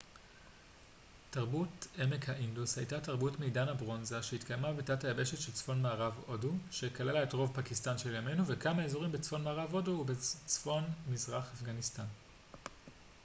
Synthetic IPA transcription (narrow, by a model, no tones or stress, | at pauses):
taʁbuteme̞khaʔindushajtataʁbutmejdanabʁo̞nzaʃehitkajmavitatajabe̞ʃe̞tʃelt͡sfo̞nmaːʁavo̞duʃe̞kalelaetʁo̞vpakistanʃeljame̞nuvekamaezoʁimbet͡sfo̞nmaːʁavo̞dubet͡sfo̞nmizʁaχafɡanistan